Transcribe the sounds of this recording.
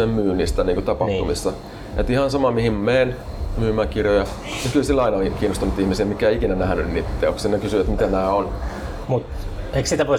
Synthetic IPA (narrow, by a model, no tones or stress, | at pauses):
emmyːnist̪æniːkot̪ɑpɑt̪umisːɑ | et̪ihɑnsɑmɑmihimmeːn | myːmːˑæːkirjojɑ | nykylsilːɑinɑokiːnːost̪unut̪ihmisiæmikæˑeikinænæhænynnit̪ːḛoksinekysyʋæt̪mit̪enæːon | mut̪ | eiksit̪æʋo